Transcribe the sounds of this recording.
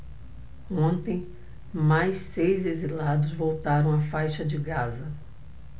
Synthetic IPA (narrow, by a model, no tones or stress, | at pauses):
õnt̪ẽj̃ | majssejzezilad̪ʊzvowt̪aɾɐ̃w̃afajʃɐd͡ʒɪɡazɐ